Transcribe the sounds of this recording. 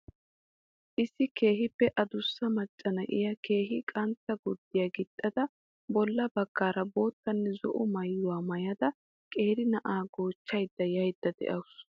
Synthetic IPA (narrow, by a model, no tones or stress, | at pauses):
ʔɪsːɪke̞ːɦɪpːɛʔɐd̪ʊsːɐmɐt͡ʃʼːɐnɐʔɪ̰jɐke̞ːhɪkʼɐnt̪ːɐɡɔd̪ːɪjɐɡɪt̪ʼːɐd̪ɐ | bɔlːɐbɐɡ̥ːaːɾɐbo̞ːt̪ːɐnːɛzɔ̰ʔʊmɐjːʊwaːmɐjɐd̪ɐ | kʼe̞ːɾɪnɐʔaːɡoːt͡ʃːɐjd̪ːɐjɐjd̪ːɐd̪ɛ̰ʔɐwʊs